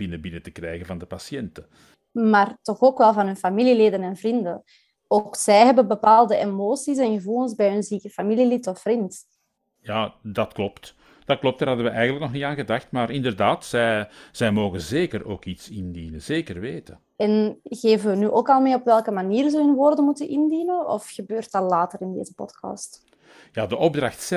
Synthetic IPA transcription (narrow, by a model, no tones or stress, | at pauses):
b̥ɪnəbɪnətə̥krɛjɣəvɑndəpasijɛntə | maːrtɔxoːkʋɛlˠvɑnɦɵnfamilileːdənɛnvrindən | oksɛjɦɛbəbəpaːlˠdəʔemoːsis̬ɛnɣəvulˠənzbɛjɦɵnziːkəfamililitɔfrint | jaːdɑtklɔpt | d̥ɑtklɔp̚td̥aːɾɦɑdəʋəʔɛjɣənlək̚nɔxnitaːnɣədaxtmaːrɪndərdaːtsɛjz̥ɛjmoːɣənzeːkəroːkitsɪndinənz̥eːkərʋeːtə | ɛnɣeːvənʋənyːʔoːkɑlˠmeːɔpʋɛlˠkəmaniːrzəɦɵnʋoːrdənmutənʔɪndinənɔ̰fxəbøːrtɑlaːtəɾɪndḛːzəpɔ̰tkɑ̰ːst | jaːdəʔɔb̚draxts